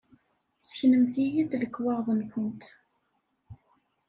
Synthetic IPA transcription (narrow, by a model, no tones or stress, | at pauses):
səçnəmθijid̪ləkːwɑʁðˤənçənt̪